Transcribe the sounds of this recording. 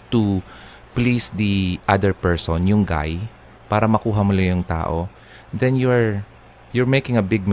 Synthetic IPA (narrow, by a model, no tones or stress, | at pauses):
t̪u | plisd̪iʔad̪ɛɹpɛɹsɔnjʊŋɡa̰j | paːɾɐmɐkuːɦɐmʊlajʊŋt̪a̰ːʔo | d̪ɛnjʊɹ | jʊɹmejkɪ̃ŋɐbɪɡ̚m